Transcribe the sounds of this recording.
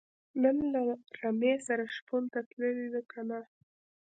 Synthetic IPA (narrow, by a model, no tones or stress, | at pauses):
nənlaɾamesaɾaʃpunt̪at̪ləlid̪əkʰana